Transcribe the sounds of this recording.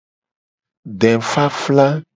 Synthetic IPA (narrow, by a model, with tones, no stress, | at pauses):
ɖɛ̃˨fa˦fla˦